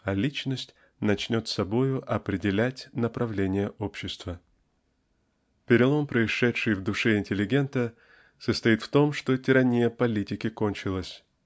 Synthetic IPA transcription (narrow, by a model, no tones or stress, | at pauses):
ɐlʲit͡ɕnəsʲtʲ | nɐt͡ɕnʲo̞t̪sɐbo̞jʊʔɐpɾʲɪdʲɪlʲætʲnəpɾɐvlʲenʲɪjəʔopɕːɪst̪və | pʲɪɾʲɪlˠo̞mpɾəɪʂɛtʂɨjvd̪ʊʂɛɪnʲtʲɪlʲːɪɡʲe̞nt̪ə | səst̪ɐit̪ft̪o̞mʂt̪o̞tʲɪɾɐnʲijəpɐlʲitʲɪkʲɪko̞nʲt͡ɕɪlˠəsʲ